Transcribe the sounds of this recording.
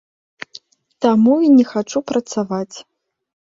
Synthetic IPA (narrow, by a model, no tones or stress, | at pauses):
t̪amuinʲɛxat͡ʂupɾɐt̪savat͡sʲ